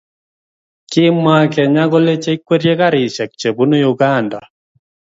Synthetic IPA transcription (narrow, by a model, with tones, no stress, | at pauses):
kɪ˦ma˦kɛ˨ɲa˦ɣɔ˦le˦t͡ʃe˦i˦kwe˦ɾje˦ka˦ɾɪ˨ʃɛ˨k̚t͡ʃe˨bu˦no˦juɡa˨nda˨